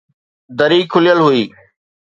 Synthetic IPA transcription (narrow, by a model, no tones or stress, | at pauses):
d̪əɾiːkʰʊlɪjəlɦʊiː